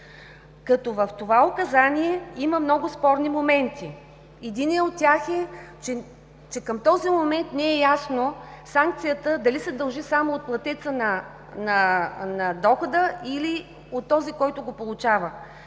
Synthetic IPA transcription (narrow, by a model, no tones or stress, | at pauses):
kɐt̪ɔvɐft̪ovaokɐzaniɛiməmnɔɡʊspɔɾnimomɛnt̪i | ɛd̪iniɛot̪ːʲaxɛt͡ʃɛ | t͡ʃɛkɐmt̪ɔzimomɛnt̪nɛɛjasnosaŋk̚t̪sijət̪əd̪ɐlisɛd̪ɐlˠʒisamoːt̪̚plˠɐt̪ɛt̪sənɐ | nɐnɐd̪ɔxʊd̪əili | ot̪ːɔzikɔjt̪ʊɡopolˠʊt͡ʃavə